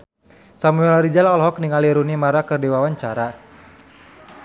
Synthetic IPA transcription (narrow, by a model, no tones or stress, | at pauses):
samuɛlɾid͡ʒalɔlɦɔk̚niŋaliɾunimaɾakɨrdiwawaɲt͡ʃaɾa